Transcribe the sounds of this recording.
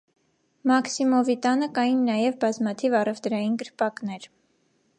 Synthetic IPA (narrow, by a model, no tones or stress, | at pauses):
mɑksimɔvit̪ɑnəkɑjinːɑjɛvbɑzmɑt̪ʰivɑrɛvd̪ɾɑjinɡəɾpɑknɛɾ